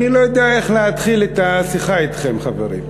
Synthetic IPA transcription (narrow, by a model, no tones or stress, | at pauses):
nilo̞jod̪eaeχleat̪χilet̪asiχait̪χemχavḛɾḭm